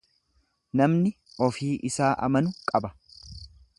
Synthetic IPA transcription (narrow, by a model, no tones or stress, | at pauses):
nɐmnɪ | ɔfiːʔɪsaːʔɐ̰mɐnʊkʼɐbɐ̥